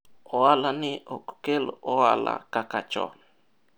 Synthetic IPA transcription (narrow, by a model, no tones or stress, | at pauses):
oalanɪʔokkelʔoala̰kakat͡ʃɔ̰n